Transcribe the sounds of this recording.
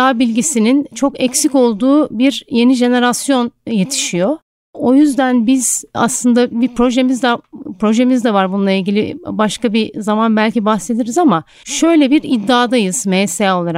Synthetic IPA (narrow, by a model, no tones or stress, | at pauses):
aːbilʲɟisinint͡ʃʰo̞kɛcsico̞lˠd̪uːbiɾje̞niʒe̞ne̞ɾasjo̞nje̞t̪ʰi̥ʃijo̞ | o̞jyzd̪ænbiz̥a̰slˠɯnd̪abipɾo̞ʒe̞mizd̪apɾo̞ʒe̞mizd̪ɛvaɾbununlˠailʲɟʲilʲibaʃkabizamanbælʲcibaxse̞d̪iɾizama | ʃø̞jlʲɛbiɾid̪ːaːd̪ajɯz̥mesɛo̞lˠaɾa